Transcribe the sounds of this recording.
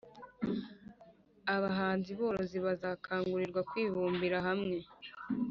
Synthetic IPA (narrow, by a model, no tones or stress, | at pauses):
aβaɦaːnziβo̞ːɾo̞ziβazaːkʰaːŋɡuɾiɾɡwakwiːβuːmbiɾaɦamŋe̞